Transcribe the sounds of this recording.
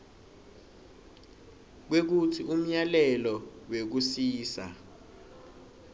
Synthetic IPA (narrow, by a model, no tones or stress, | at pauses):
k̬wek̬utʰiʔum̩ɲalɛlɔwek̬usiːsa̰